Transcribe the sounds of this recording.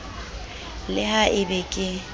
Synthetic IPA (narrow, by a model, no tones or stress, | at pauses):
lɪhaʔɪbɛkʼɪ